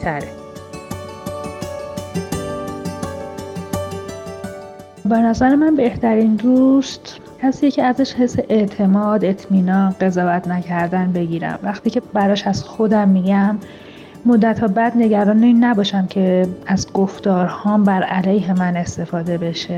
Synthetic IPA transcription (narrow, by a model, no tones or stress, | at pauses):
t̪ʰæɾe | be̞næzæɾemænbe̞ht̪ʰæɾiːnd̪ust̪ | cʰæsiːjecʰeæzæʃhe̞sːeʔeʔt̪ʰe̞mɒːd̪e̞t̪ʰmiːnɒːnɢe̞zɒːvæt̪ʰnæcʰæɾd̪ænbe̞ɟiːɾæ̰mvæxt̪iːcʰe̞bæɾɒːʃæz̥xo̞d̪æmːiɟæmː | od̪ːæt̪ʰhɒːbæd̪ne̞ɟæɾɒːnenːæbɒːʃæmcʰe̞æzɡoft̪ɒːɾhɒːmbæɾælæjɦe̞mæne̞st̪e̞fɒːd̪e̞be̞ʃe